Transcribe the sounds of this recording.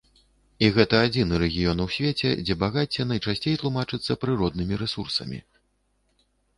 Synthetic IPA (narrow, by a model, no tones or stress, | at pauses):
iɣɛt̪ɐːd͡zʲinɨɾɛɣʲijɔnwsʲvʲet͡sʲɛ̰d͡zʲɛbaɣat͡sʲɛnɐjt͡ʂasʲt͡sʲejt̪lˠumat͡ʂɨt̪sːɐpɾɨɾɔd̪̚nɨmʲiɾɛsursɐ̰mʲḭ